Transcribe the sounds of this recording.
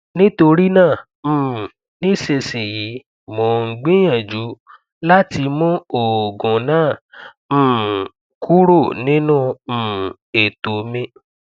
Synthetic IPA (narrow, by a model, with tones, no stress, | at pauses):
nĩ˦to˧ɾi˦nãː˦˨ | m̩˨ | nĩ˦ʃe˧se˨ji˨˦ | mɔ̃˨ŋ̩˨ɡ͡bĩ˦j̃ã˨d͡ʒu˨˦ | la˦ti˧mũ˦o˨ɡɔ̃˨nãː˦˨ | m̩̃˦˨ | ku˦ɾo˦˨nĩ˦nũ˦˧m̩˨ | e˨to˨mẽ˧